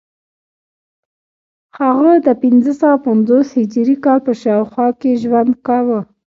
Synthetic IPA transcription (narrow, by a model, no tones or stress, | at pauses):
haɣəd̪əpɪnzəsawapand͡zoshɪd͡ʒɾikɑlpəʃɑwxwɑkeʒwand̪kawə